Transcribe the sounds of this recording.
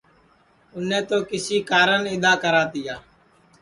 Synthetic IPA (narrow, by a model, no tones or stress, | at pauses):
ʊnẽːt̪oːkɪsiːkaːɾənɪd̪aːkəɾaːt̪ɪjaː